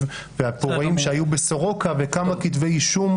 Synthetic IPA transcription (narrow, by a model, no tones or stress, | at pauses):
v | veapoʁaimʃeajubesoʁo̞kavekamakit̪vejiʃum